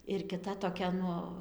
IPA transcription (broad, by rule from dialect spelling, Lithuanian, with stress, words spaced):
ɪr kʲɪˈtɐ toːˈkʲɛ ˈnʊ